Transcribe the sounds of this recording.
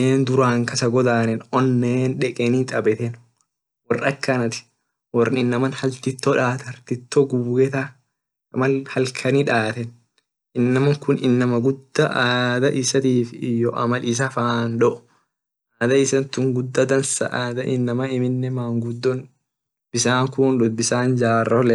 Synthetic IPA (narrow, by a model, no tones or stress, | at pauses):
eːnd̪ʊɾaːŋkɐsɐɡɔd̪aːnɛnʔɔnːeːnᶑɛkʼɛniːt̪ʼɐbɛt̪ɛn | wɔrːɐkːanɐt̪ɪ̥ | wɔrnɪnːɐmɐnhɐlt̪ɪt̪ːɔᶑaːt̪hɐɾt̪ɪt̪ːɔɡuːɡɛt̪ɐ | ɐmɐlhɐlkʰɐnɪᶑaːt̪ɛn | ʔɪnːɐmɐŋkʊnɪ̰nːɐmɐɡʊd̪ːɐʔaːd̪ɐʔɪsɐt̪iːfɪjːɔʔɐmɐlɪs̬ɐfaːnᶑɔʔɔ̥ | ʔaːd̪ɐɪsɐnt̪ʊŋɡʊd̪ːɐd̪ɐnsɐ̰ʔaːd̪ɐʔɪnːɐmɐɪmɪnːɛmaːŋɡʊd̪ːɔn | b̥ɪsaːŋkuːnᶑʊbːɪsaːnd͡ʒaːrːɔlɛ